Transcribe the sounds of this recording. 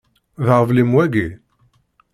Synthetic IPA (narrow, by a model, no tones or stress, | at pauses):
ðʁəvlimwæɡi